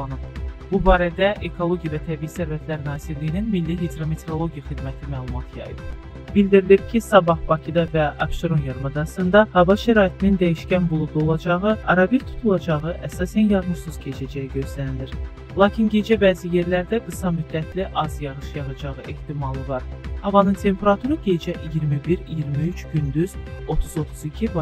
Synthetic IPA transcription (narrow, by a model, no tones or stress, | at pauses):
lˠɑnɯpb̥ubɑːɾæd̪æʔekʰo̞lˠo̞ɡʲijɑvæt̪ʰæbiisæɾvæt̪ʰlæɾnɑːziɾlijininmilːiɦid̪ɾamet̪ʰeolˠo̞ɡʲijɑχid̪mæt̪ʰimæːlˠumɑt̪ʰjɑ̰jɯ̰b | b̥ild̪iɾilip̚cʰisɑbɑhb̥ɑcʰid̪ɑvæɑ̰bʃt̪oɾonjɑɾmɑd̪ɑsɯnd̪ɑhɑvɑʃæɾɑːit̪ʰinind̪æjiʃcænbulˠud̪o̞lˠɑd͡ʒɑʁɯɑɾɑbiɾt̪ʰu̥t̪ʰulˠɑd͡ʒɑʁɯʔæsɑːsænjɑɾmɯsuz̥cʰe̞t͡ʃʰæd͡ʒæjiɟø̞zlæniliɾ | lˠɑːcʰinɟe̞d͡ʒɛbæːzije̞ɾlæɾd̪æɡɯsɑmyd̪ːæt̪ʰliʔɑzjɑʁɯʃjɑʁɯd͡ʒɑʁɯʔe̞ht̪imɑlˠɯvɑɾhɑvɑnɯnt̪ʰe̞mpʰe̞ɾɑt̪ʰuɾɯɟe̞d͡ʒɛʔijiɾmibiɾijiɾmiyt͡ʃʰɟynd̪yz̥o̞t̪ʰuzo̞t̪ʰuzicʰivɑ